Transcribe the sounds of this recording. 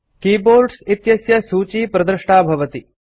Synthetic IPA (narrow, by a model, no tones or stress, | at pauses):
kiːboːɾɖsit̪jɐsjɐsuːt͡ʃiːpɾɐd̪ɾɨʂʈaːbʱɐʋɐt̪i